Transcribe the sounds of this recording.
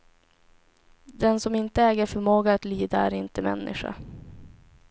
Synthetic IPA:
d̪ɛnsɔmɪnt̪əɛːɡəɾfœɾmoːɡaːt̪liːd̪aæ̰ɾɪnt̪əmɛ̰nːɪ̰ɧa̰

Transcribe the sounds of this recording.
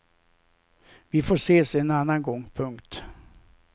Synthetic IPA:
vɪfoːʂeːsɛnanːanɡɔŋpʰɵŋkt̪

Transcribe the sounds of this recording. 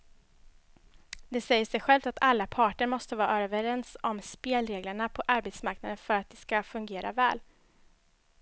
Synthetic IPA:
d̪ɛsɛjːəsɛjɧɛlvft̪at̪ʰalːapʰɑːʈəɾmɔst̪əvɑːɾaøɾœːvəɾɛnsɔmspeːlɾeːɡləɳapʰɔʔaɾbet̪smaɾknad̪ənfœɾat̪̚d̪ɛskafɵŋɡeːɾa̰vɛ̰ːl

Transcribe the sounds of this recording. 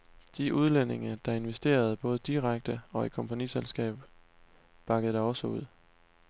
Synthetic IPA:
d̥iʔuð̞ˠlene̝ŋɐd̥ɑ̈e̝nʋesd̥e̝̰ːɐð̞̩ˠb̥ɔ̽ːð̞ˠəd̥iʁaɡ̥̚d̥əɒ̽ikʰɒ̽mpʰæniselsɡ̥ɛ̰ːb̥ | b̥ɑ̈ɡ̥əð̩ˠd̥ɑ̈ɒ̽səuð̰ˠ

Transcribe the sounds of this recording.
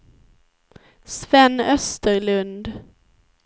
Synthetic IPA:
svɛnːœst̪əɾɭɵnd̪

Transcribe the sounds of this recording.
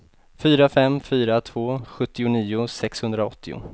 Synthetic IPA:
fyːɾafɛmːfyːɾat̪ʰv̥oːɧɵt̪ːɪʊniːʊsɛkshɵnd̪ɾaɔt̪ːɪʊ̰

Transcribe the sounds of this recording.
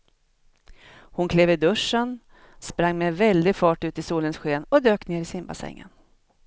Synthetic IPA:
hʊnkʰleːvɪd̪ɵʂːən | spɾaŋːmɛvɛld̪ɪɡfɑːʈʉ̟ːt̪ɪsuːlənsɧeːnɔd̪øːkneːɾɪsɪmba̰sɛ̰ŋːə̰n

